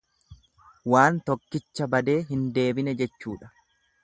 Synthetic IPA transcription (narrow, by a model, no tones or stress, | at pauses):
waːnt̪ɔkːɪt͡ʃːɐbɐd̪e̞ːɦɪnd̪e̞ːbɪnɛd͡ʒɛt͡ʃːuːᶑɐ̥